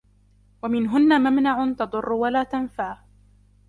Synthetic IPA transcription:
wamɪnɦʊnːamamnaʕʊnt̪ɑd̪ˤʊrːʊwalaːt̪anfaː

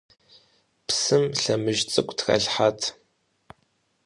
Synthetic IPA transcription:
psɨmɬɐmɨʒt͡sʼɨkʷtxɐ̰ɮħatʰ

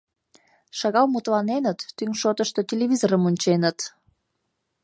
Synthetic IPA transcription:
ʃɑɣɑlmut̪lɑnenət̪ːyŋʃot̪əʃt̪ot̪ʲelʲeβʲizoɾəmunʲt͡ɕenət̪

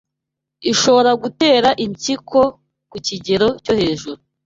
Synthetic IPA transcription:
iʃo̞βo̞ɾaɡute̞ːɾaʔiɲt͡ʃikʰo̞ | kuciɟe̞ɾo̞co̞he̞ːʒuɾu

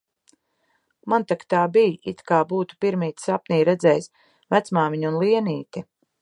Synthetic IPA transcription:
mant̪akt̪aːbijḭt̪kaːbuːt̪u̥piɾmiːt̪sapniːɾɛd̪zɛjs | væt̪smaːmiɲunlˠiɛniːt̪i

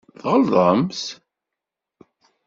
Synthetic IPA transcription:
θʁəlðˤəms

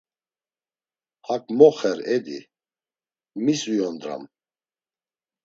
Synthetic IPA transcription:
hakʼmɔχɛɾɛd̪ḭ | misujɔnd̪ɾa̰m

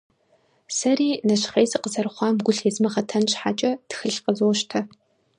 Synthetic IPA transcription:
sɐriːnɐɕχeːzɨqəzɐrχʷɑːmɡʷʊɬezmɐχɐtʰɐnɕħat͡ʃʼɐtxɨɬqəzoːʃtʰɐ

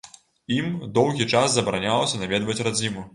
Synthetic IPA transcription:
imd̪ɔwɣʲit͡ʂaszɐbɐɾanʲalˠɐsʲɐnavʲɛd̪vɐt͡sʲrad͡zʲimu

